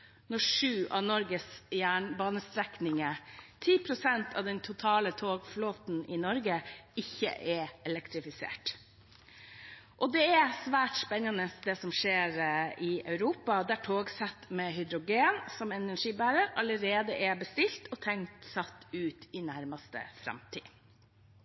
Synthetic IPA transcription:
nɔʂʉːʔɑ̰ʋnɔɾɡəsjæːɳbɑːnəst̪ɾɛknɪŋət̪ʰiːpʰɾʊsɛnt̪ʰɑ̰ːʋd̪ɛnt̪ʰʊt̪ʰɑːlət̪ʰoːɡfloːt̪n̩ɪnɔɾɡəɪçːə̰ʔɛɛlɛkt̪ɾɪfɪsḛːʈ | ʔɔd̪ɛɛsʋæːʈspɛnːɑnəsd̪ɛsɔmʂeːɾɪʔœʉɾuːpɑd̪æʈʰoːɡsɛt̪ːmɛɦʏd̪ɾʊɡeːnsɔmɛnæʂiːbæːɾəɾɑləɾeːd̪əʔɛbəst̪ɪlt̪ʰɔt̪ʰɛŋt̪sɑt̪ːʉːt̪ɪnæɾmɑst̪ə̰fɾɑ̰mt̪ʰḭː

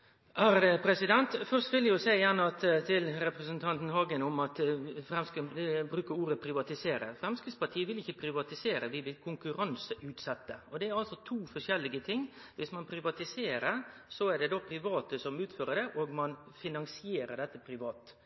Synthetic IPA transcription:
ʔæːɾd̪ɛpʰɾɛsɪd̪ɛnt̪fœʂt̪ʋɪlɛjʊsæɪjæːnəɑt̪t̪ʰɪlɾɛpɾɛsənt̪ʰɑnt̪n̩ɦɑːɡənɔmɑt̪fɾɛmsk̪bɾʉːkəɾuːɾəpʰɾɪʋɑt̪ɪseːɾə̰fɾɛmskɪspɑʈʰiːəʋɪlɪçːəpʰɾɪʋɑt̪ɪseːɾəʋɪʋɪlkʰʊŋkʉɾɑnsəʔʉːt̪sɛt̪ːəɔd̪ɛæɾɑlsɔt̪ʰuːfɔʂɛlːɪɡət̪ʰɪŋːʋɪsmɑnpʰɾɪʋɑt̪ɪseːɾəɾsɔæɖɛd̪oːpʰɾɪʋɑːt̪əsɔmʉːt̪føːɾəɖɛʔoːɡmɑnfɪnɑnsɪeːɾəɖɛt̪ːəpʰɾɪʋɑːt̪

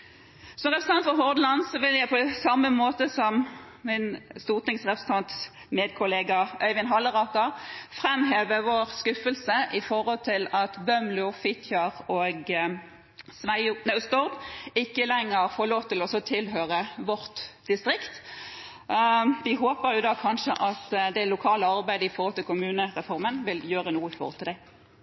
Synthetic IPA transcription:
sɔmʁɛpʁsnɑnfɔɦɔʁd̪lɑnsɔʋɪljæɪpʰɔsɑmːəmoːt̪əsɔm | mɪnst̪uːʁt̪ɪŋsʁɛpɾɛsət̪ʰɑnt̪s | meːd̪̚kʰʊleːɡɑʔœʏʋɪnɦɑlːəʁɑːk̪ɑfʁɛmɦeːʋəʋoːʁskʉfəlsəʔɪfɔʁhɔlt̪ʰɪlɑt̪bœmlʊfɪt̪ʰjɑʁoːɡ | sʋæɪʊnɑst̪ɔʁdɪkːəlɛŋːəʁfoːʁloːʋt̪ʰɪlɔsɔt̪ʰɪlɦøːʁəʋɔʁt̪d̪̥ɪst̪ʁɪkt̪ | ʋɪɦoːpəɾjʊd̪ɑːkʰɑnʃəʔɑt̪d̪ɛlʊkʰɑːləɑʁbæɪd̪əɪfɔɾhɔlt̪ɪlkʊmʉːnəʁɛfɔʁmənʋɪljøːʁənuːəɪfɔ̰ʁɔ̰lt̪ɪld̪ɛ

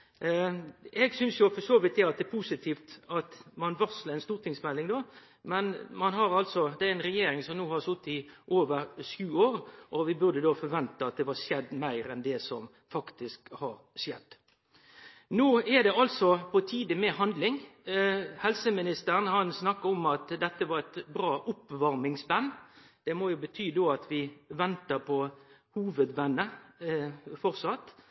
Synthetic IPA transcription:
ɛɡsʏnsjʊfɔʂoːʋɪt̪̚d̪ɛɑt̪̚d̪ɛpʰuːsɪt̪ʰiːft̪ɑt̪mɑnʋɑsləɪnst̪uːɾt̪ʰɪŋsmɛlːɪŋd̪oː | mɛnmɑnɦɑɾɑlt̪sɔd̪ɛæɾɪnɾɛjeːɾɪŋsɔmnuːhɑɾsʊt̪ːɪʔoːʋəɾʂʉːoːɾʔɔʋɪbʉɾd̪əd̪oːfɔɾʋɛnt̪əɑt̪̚d̪ɛʋɑʂjɛd̪ːmæɪɾɛnd̪ɛsɔ̰m | fɑkt̪ɪskhɑɾ | ʂjɛd̪̥ː | noːɛd̪ɛɑlsɔpʰɔt̪ʰiːd̪əmɛhɑnd̪lɪŋ | hɛlsəmɪnɪst̪əɾənhɑnsnɑkːəɔmɑt̪d̪ɛt̪ːəʋɑɾɛt̪bɾɑːʔʊpʋɑɾmɪŋsbɑnːd̪̥ɛmoːjʊbət̪ʰyːd̪oːɑt̪ʰʋɪʋɛnt̪əpʰɔhuːʋəd̪ʋɛnːə | fɔɾsɑt̪ː

